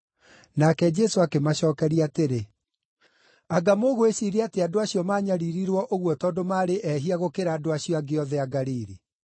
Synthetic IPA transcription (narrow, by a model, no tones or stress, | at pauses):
nakɛd͡ʒɛsoakemaɕɔːkɛɾiateɾe | aɡamoɣoeɕiɾeateadoaɕjɔmaːɲaɾiɾiɾwɔʔoɣwɔtɔːndomaːɾeʔɛɦiaɣokeɾaːdoaɕiɔaɡeɔðɛaɡaɾiːɾi